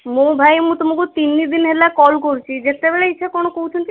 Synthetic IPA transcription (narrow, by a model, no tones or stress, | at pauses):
mobʱajmũt̪omokut̪inːid̪inɦelakɔlkoɾt͡ɕʰid͡ʑet̪ːebeɭeiʃʰekɔnokowt͡ʃʰont̪i